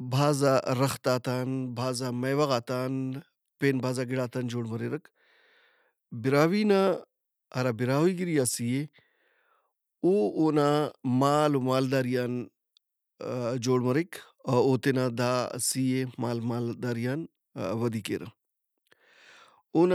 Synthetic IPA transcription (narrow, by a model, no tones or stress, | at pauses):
bʱaːzaɾɐxt̪aːt̪aːnbʱaːzamɐjʋɐɣaːt̪aːn | peːnbʱaːzaɡiɽaːt̪aːnd͡ʒoːɽmɐɾeɾɐk | biɾaːwiːna | ɐɾabiɾaːwiɡiɾijasije | uːoːnamaːlumaːld̪aːɾijaːn | d͡ʒoːɽmɐɾik | ɐoːt̪enad̪a̰ːsijemaːlmaːld̪aːɾijaːn | ʋɐd̪iːkḛːɾɐ̰ | oːna